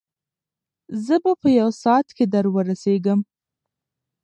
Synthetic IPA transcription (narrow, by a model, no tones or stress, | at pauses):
zəbapəjawsɑt̪ked̪aɾwəɾaseɡəm